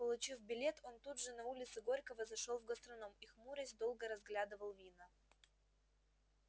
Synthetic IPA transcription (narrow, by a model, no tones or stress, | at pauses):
pəlˠʊt͡ɕifbʲɪlʲet̪ʰo̞nt̪udʐɨnɐulʲɪt̪sɨɡoɾʲkəvəzɐʂolˠvɡəst̪ɾɐnomixmuɾəzʲd̪o̞lˠɡəɾɐzɡlʲad̪ɨvəlˠvʲinə